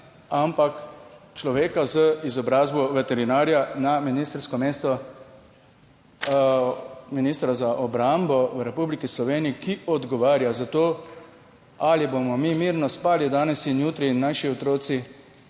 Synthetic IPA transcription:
ampakt͡ʃlɔʋeːkazəizɔbɾaːzbɔʋɛt̪ɛɾinaːɾjanaminiːst̪ɾskɔmeːst̪ɔ | minist̪ɾazaʔɔbɾambɔʋɾɛpublikislɔʋeːniikiɔd̪ɡɔʋaːɾjazat̪oː | alibomɔmimiɾnɔspaːlid̪aːnɛsinjuːt̪ɾiːnːaːʃiɔt̪ɾoːsi

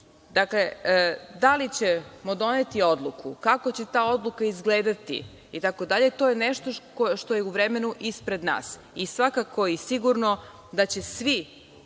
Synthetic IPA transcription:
d̪akle̞d̪alit͡ɕemod̪o̞ne̞t̪io̞d̪lˠukʰukako̞t͡ɕe̞t̪aːo̞d̪lˠukaizɡleːd̪at̪ḭː | t̪ako̞d̪aʎe̞t̪ojeneʃt̪okoʃt̪o̞jeuʋɾemenuʔispɾe̞d̪na̰ːs | isʋakako̞isiɡuɾno̞ | d̪at͡ɕe̞sʋi

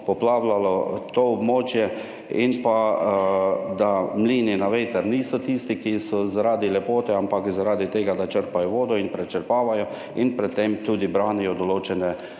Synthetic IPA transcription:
pɔplaːwlalɔt̪oɔbmoːt͡ʃjɛ | inpa | d̪amliːninaʋeːt̪əɾniːsɔt̪iːst̪ikisɔzaɾaːd̪ilɛpoːt̪ɛampakzaɾaːd̪it̪eːɡad̪at͡ʃəɾpajɔʋoːd̪ɔinpɾɛt͡ʃəɾpaːʋajɔ | inpɾɛt̪ːemt̪uːd̪ibɾaːnijɔd̪ɔloːt͡ʃɛnɛ

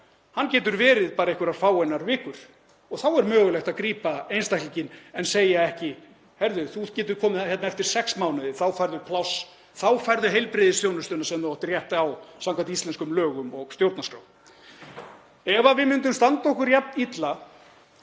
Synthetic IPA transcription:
hancɛːt̪ʏɾvɛːɾɪðpaːɾaehkvʏɾaɾ̥faːwɛjnaɾvɪːkʏɾ̥ | ɔɣθawɛɾmœːɣʏlɛxt̪aðkɾiːpaejnst̪ahklicɪnɛnseːjaɛhcɪ | hɛɾðʏθuðcɛːt̪̬ʏkʰɔːmɪðhjɛt̪naɛft̪ɪɾ̥sɛksmawnɪðɪθawfajɾðʏpʰlaws | θawfajɾðʏɦejlpɾɪðɪsjownʏst̪ʏːnasɛmðɔht̪ɪrjɛht̪aawsamkʰant̪iist̪ɛnskʏmlœːɣʏmɔɣst̪jowɾt̪naskɾa̰wm | ɛvavɪmʏnt̪ʏmst̪ant̪aɔhkʏɾjapnit̪la

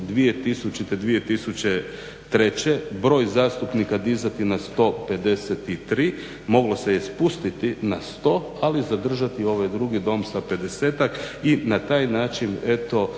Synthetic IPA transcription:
d̪ʋije̞t̪isut͡ʃit̪ed̪ʋije̞t̪isut͡ɕe | t̪ɾe̞t͡ɕe̞bɾo̞ːjzaːst̪upnikad̪izat̪inast̪o̞pe̞d̪e̞set̪it̪ɾiː | mo̞ɡlo̞se̞jespust̪it̪inast̪o̞ | alizad̪r̩ʒat̪io̞ʋajd̪ɾuɡid̪o̞msape̞d̪ese̞ːt̪akinat̪aːjnaːt͡ʃine̞t̪o̞

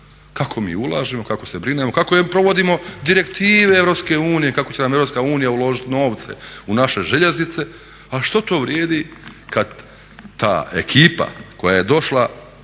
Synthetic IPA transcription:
kakʰo̞mḭːulˠaːʒimo̞kako̞sebɾinemo̞kakoepɾo̞ʋo̞d̪imo̞d̪iɾe̞kt̪iːʋeevɾo̞pske̞uːnije̞kakot͡ɕenamevɾopskauːnijaulo̞ʒit̪no̞ːʋt̪se̞̰unaʃe̞ʒe̞ʎe̞znit̪se̞ | aliʃt̪ot̪o̞ːʋɾjeːd̪ikad̪ː | a̰ːe̞̰kʰiːpa̰ko̞jaje̞d̪o̞ʃla

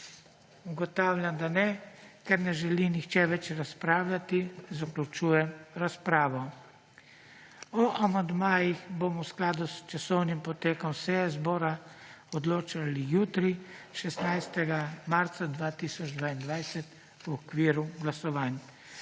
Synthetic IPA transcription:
uɡɔt̪aːwlʲjand̪anɛkɛɾnɛʒɛlinixt͡ʃɛʋɛt͡ʃɾaspɾaːwlʲat̪izaklut͡ʃuːjɛmɾaspɾaːʋɔ | ɔʔamand̪maːjixbomɔwsklaːd̪ust͡ʃasɔwnimpɔt̪eːkɔmsɛjɛzbɔːɾaɔd̪loːt͡ʃalijuːt̪ɾiʃɛsnajst̪ɛɡamaɾt̪sad̪ʋaːt̪isɔd͡ʒd̪ʋaːind̪ʋajsɛt̪ | uɔkʋiːɾuɡlasɔʋaːnja

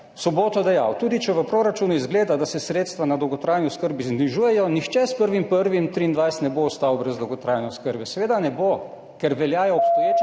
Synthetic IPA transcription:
sɔboːt̪ɔd̪ɛjawt̪uːd̪it͡ʃɛʋəpɾoɾat͡ʃuːnuizɡleːd̪ad̪asɛsɾeːt̪st̪ʋanad̪ɔwɡɔt̪ɾaːjniɔskəɾbizniʒuːjɛjɔnixt͡ʃɛspəɾʋimpəɾʋimt̪ɾiːnd̪ʋajst̪nɛboɔst̪awbɾɛzd̪ɔwɡɔt̪ɾajnɛɔskəɾbɛsɛʋeːd̪anɛbo | kɛɾʋɛljaːjɔɔpst̪ɔjeːt͡ʃ

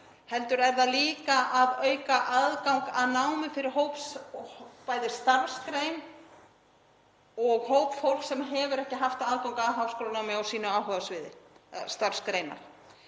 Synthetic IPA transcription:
hɛlt̪ʏɾɛɾðaliːkaʔaðœːɥkaʔaðkaw̃ŋkaðnaːwmɪfɪɾɪɾ̥ɦoːwps | paːjðɪst̪aɾskɾejn | ɔɣhowpfowl̥ksɛmɦɛvʏɾɛhcɪɦaft̪aaðkawŋkaaðɦawfskɔːlanawmɪawsiːnʏaːwɦœɣasvɪːðɪst̪aɾ̥skɾejna̰ɾ̥

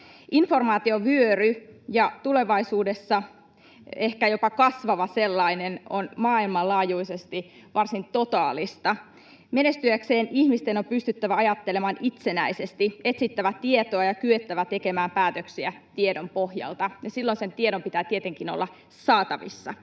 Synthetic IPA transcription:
info̞rmɑːt̪ioʋyøryjɑt̪ule̞ʋɑisuːdesːɑ | ehkæjo̞pɑkɑsʋɑʋɑselːɑinenonmɑːilmɑlɑːjuise̞st̪i | ʋɑrsint̪o̞t̪ɑːlist̪ɑ | menest̪yækseːnihmist̪eno̞mpyst̪yt̪ːæʋæɑjɑt̪ːelemɑnit̪se̞næisest̪iet̪sit̪ːæʋæt̪iet̪oɑjɑkyet̪ːæʋæt̪e̞ke̞mæːmpæːt̪øksiæ | t̪iedompohjɑ̰lt̪ɑjɑsilːonse̞nt̪ieɾompit̪æːt̪iet̪eŋkinolːɑ | sɑːt̪ɑʋḭsːɑ̰

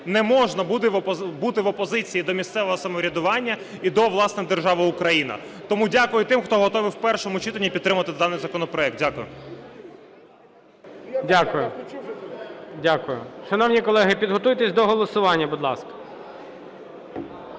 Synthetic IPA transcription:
nɛmɔʒnɐbud̪ɪʋbut̪ɪʋɔpɔzɪt͡sʲijid̪ɔmʲist̪sɛʋɔɦɔsɐmɔɾʲɐd̪ʊʋɑnʲːɐ | id̪ɔʋlˠɑsnɪd̪erʒɑʋɪʊkɾɐjinɐ̰t̪ɔmudʲakʊjʊt̪ɪmxt̪ɔɦɔt̪ɔʋɪwpɛrʃɔmʊt͡ʃit̪ɐnʲːipʲdt̪ːɾɪmʊʋɐt̪ɪd̪ɑnɪjzɐkɔnɔpɾɔɛk̚t̚dʲakʊjʊ | dʲakʊjʊ | dʲakʊjʊ̰ʃɐnɔwnʲikɔlˠɛɦɪpʲid̪ɦɔt̪ujt̪esʲd̪ɔɦɔlˠɔsʊʋɑnʲːɐbud̪lˠɑ̰skɐ̥

